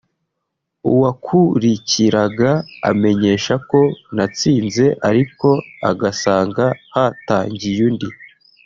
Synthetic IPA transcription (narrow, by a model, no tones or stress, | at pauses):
ṵwakʰuɾiciɾaɡa̰ːme̞ɲe̞ːʃako̞nat͡siːnze̞ʔaɾiko̞a̰ɡasaːŋɡahataːɲɟijundi